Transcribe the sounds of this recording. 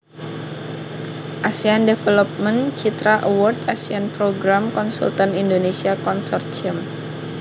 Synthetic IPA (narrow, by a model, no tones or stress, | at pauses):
ʔasiandefelɔp̚mənt͡ʃit̪ɾaʔəwɔrt̪asianpɾoɡɾamkɔnsṵlt̪anindonesiakɔnsɔrt̪t͡ʃəm